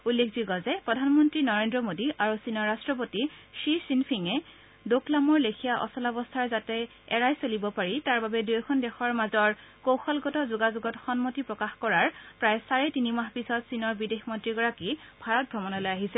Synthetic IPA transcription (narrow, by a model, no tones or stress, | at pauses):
ulːekʰzuɡɔzɛpɹɔdʱanmɔntɹinɔɹendɹɔmodiʔaɹusinɔɹːastɹɔp̬otiʃisinpʰiŋɛ | doklamɔɹlekʰijaʔɔ̰sɔlɔbɔstʰaɹzatɛ | ɛɹajsolibɔpaɹitaɹbabɛdujɔkʰɔndɛxɔɹmazɔɹkowxɔlɡɔtɔzuɡazuɡɔtxɔnmotipɹɔkaxkɔɹaɹpɹajsaɹɛtinimaxpisɔtsinɔɹbidexmɔntɹiɡɔɹakib̥ʱaɹɔt̚bʱɹɔmɔnɔlojaɦisɛ